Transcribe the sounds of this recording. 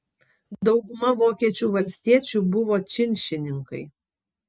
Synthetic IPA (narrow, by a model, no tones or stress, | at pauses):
d̪ɒʊɡʊmɐʋoːkʲiɛt͡ʃʲuːʋɐlʲsʲt̪ʲiɛt͡ʃʲuːbʊʋoːt͡ʃʲɪnʲʃʲɪnʲɪŋkɐɪ